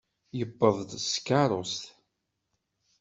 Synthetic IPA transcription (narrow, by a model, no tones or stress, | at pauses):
jəbːəvˤd̪skːaɾˤʊst̪